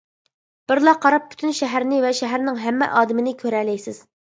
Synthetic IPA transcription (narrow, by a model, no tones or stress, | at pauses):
b̥ɪɾlˠɑqʰːɑɾɑp̚ʰːy̥t̪ʰynʃɛɦæɾnɪvɛʃæɦæɾnɪŋɦæmːɛ̰ʔɑːd̪ɪmɪnɪkʲʰøɾɛlɛjsɪz̥